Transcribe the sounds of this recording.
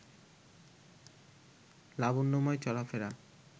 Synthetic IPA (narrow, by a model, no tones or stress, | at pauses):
labunːomɔet͡ɕɔlafeɾa